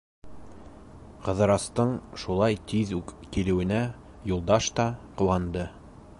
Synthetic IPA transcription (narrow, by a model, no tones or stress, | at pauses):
qɤ̆ðɤ̆ɾɑst̪ɤɴʃulˠɑjt̪iðʉkkilɘ̆wɘ̆næ | julˠd̪ɑʃt̪ɑqŭw̪ˠɑnd̪ɤ